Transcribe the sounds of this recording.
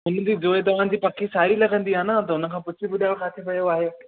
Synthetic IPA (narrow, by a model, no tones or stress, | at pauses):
ɦʊn̆d͡ʑiːd͡ʑoːet̪̬ɐʋ̤ã̆ːd͡ʑiːpɐkʰisaːɾilɐɡʱə̃nd̪iaːnat̪ɐʊnə̆kʰãːpʊt͡ɕʰibʊd̪ʱaːɪɽokʰaːt̪ʰiʋɐjoaːɦeː